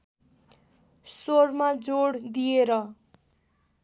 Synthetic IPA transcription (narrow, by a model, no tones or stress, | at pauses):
sormad͡zoɽd̪ijeɾʌ